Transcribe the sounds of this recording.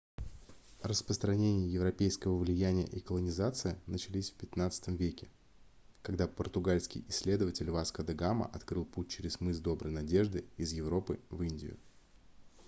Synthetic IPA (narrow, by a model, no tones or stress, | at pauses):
rəspɾəst̪ɾɐnʲenʲɪjəjɪvɾɐpʲejskəvəvlʲɪjænʲɪjə̰ʔikəlˠənʲɪzat̪sɨɪnət͡ɕɪlʲisʲfpʲɪt̪nat̪sɨ̥t̪əmvʲekʲɪ | kɐɡd̪apərt̪ʊɡalʲskʲɪ̰jɪsʲlʲe̞d̪əvətʲɪlʲvaskəd̪ɐɡamə̰ʔɐt̪kɾɨlˠput̚ʲt͡ɕɪɾʲɪsmɨsd̪o̞bɾəjnɐdʲe̞ʐd̪ɨɪzjɪvɾo̞pɨvɨnʲdʲɪ̰jʊ̰